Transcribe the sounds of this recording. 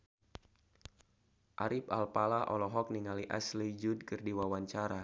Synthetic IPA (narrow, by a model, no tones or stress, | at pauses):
ʔaɾipa̰lpalaʔɔ̰lɔɦɔk̚niŋaliʔa̰slid͡ʒud̚kɨrdiwawaɲt͡ʃaɾa